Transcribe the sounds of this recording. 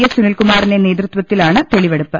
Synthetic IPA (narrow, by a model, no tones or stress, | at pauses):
jɐsunɐlkumaːrinene̞ːd̪rɨt̪ʋɐt̪ːilaːɳɨt̪e̞ɭiʋeɽupːɨ